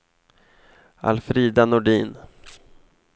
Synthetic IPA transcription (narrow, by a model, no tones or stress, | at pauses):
a̰lfɾiːd̪anʊɖiːn